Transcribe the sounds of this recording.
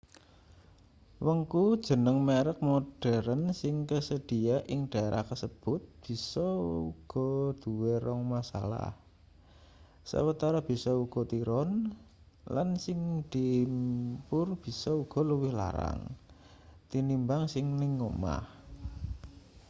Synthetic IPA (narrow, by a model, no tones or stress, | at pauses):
wəŋkud̥ʒ̥ə̤nəŋmeɾək̚modɖ̥ɛɾənsɪŋkəsəd̥i̤aʔɪŋɖ̥a̤eɾʔa̰hkəsəb̥ʊ̤t̪̚b̥i̤sɔuɡ̥ɔ̤d̪̥ṳweɾɔŋmasa̰la̰h | sə̰wət̪aɾab̥i̤sɔuɡ̥ɔ̤t̪iɾɔn | lansɪŋd̪̥impʊrb̥i̤sɔuɡ̥ɔ̤ləwɪhla̰ɾa̰ŋ | t̪inimbaŋsɪŋniŋoma̰h